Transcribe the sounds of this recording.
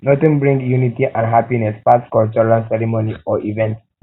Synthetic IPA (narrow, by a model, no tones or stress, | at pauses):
nɔt̪ə̃nbɹĩŋɡjunitiʔãnɦapinɛspaskɔlt͡ʃɔlãnsɛɾimoniɔʔivɛ̃nt